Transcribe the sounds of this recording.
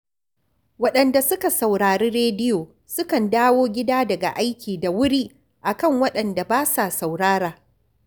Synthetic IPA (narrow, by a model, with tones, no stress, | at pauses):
wɐ˦ɗɐ˨nda˨sʊ˦ka˨sɐ˨wɽaː˨ɽiː˦ɽeː˦dɪ˦joː˨ | sʊ˦kɐ˨ndaː˦woː˦ɡʲɪ˦daː˦dɐ˨ɡa̰˨ʔa˦jkʲiː˨da˨wʊ˦ɽiː˦ | ʔa˨kɐ˦˨ŋwɐ˦ɗɐ˨nda˨baː˦sa˨sa˨wɽaː˦ɾaː˨